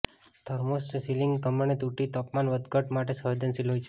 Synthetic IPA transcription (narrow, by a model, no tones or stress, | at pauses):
t̪ʰəɾmosʈsilɪŋɡkəməɳet̪uʈit̪ɔpmanʋəd̪ɡəʈmaʈesəʋed̪ənsilɦojt͡ʃʰ